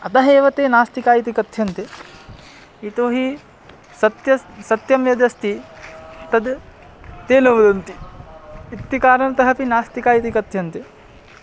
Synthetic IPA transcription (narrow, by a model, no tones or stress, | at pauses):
ɐt̪ɐɦeːʋɐt̪eːnaːst̪ikaːjit̪ikɐt̪ʰjɐnt̪e | it̪oːɦi | sɐt̪jɐsɐt̪jɐmjɐd̪jɐst̪i | t̪ɐd̪ | t̪eːlɐʋud̪ɐnt̪iː | t̪ːikaːɾɐnɐt̪ɐɦɐpinaːst̪ikaːjit̪̬ikɐt̪ʰjɐnt̪e